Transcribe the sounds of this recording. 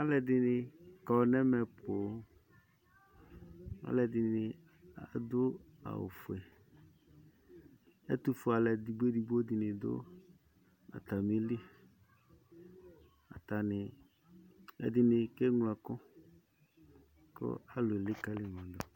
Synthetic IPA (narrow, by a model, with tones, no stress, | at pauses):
a˦lɛ˨dɪ˨nɪ˧kɔ˨nɛ˦mɛ˨pʰʊ˨˦ | a̰˦lɛ˨dɪ˨nɪ˨ | a̰˨d̪ʊ˦ | a̰˨wʊ̰˨fʊ˨ɛ˨ | ɛ̰˦t̪u˨fʊ˨˦a˨lɛ˨di˨ɡ͡be˦di˨bo˦dɪ˨nɪ̃˨d̪ʊ̰˦ | a̰˨t̪a˨mi˦li˦ | a̰˨ta˨nɪ˨ | ɛ̰˨dɪ˨nɪ˧kɛ˦ŋlɛ˨kʊ˦ | kʊ̰˦a˨lʊ˨ɛ˨lɪ˦ka˦lɪ˨mã˨dʊ˨